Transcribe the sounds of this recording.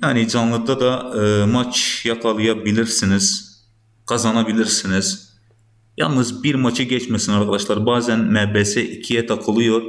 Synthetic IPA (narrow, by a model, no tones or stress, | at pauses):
jaːnid͡ʒɑnlˠɯd̪ad̪ɑmat͡ʃʰjɑkʰɑlˠɯjabilʲiɾsiniz̥ | kʰazɑnabilʲiɾsiniz̥ | jɑ̰lˠnɯzbiɾmɑt͡ʃʰɯɟɛt͡ʃmɛsinɑɾkʰad̪ɑʃlˠaɾbaːzænmæbɛsɛʔicʰijɛt̪ʰɑkʰɯlˠɯjoɾ